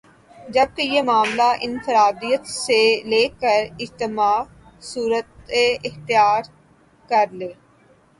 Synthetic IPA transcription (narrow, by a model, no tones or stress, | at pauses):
d͡ʒəb̚kejeːmaːmlaːʔɪnfɪɾaːd̪iːət̪seleːkəɾɪd͡ʒt̪ɪmaː | suːɾət̪eɪxt̪ɪjaːɾ | kəɾleː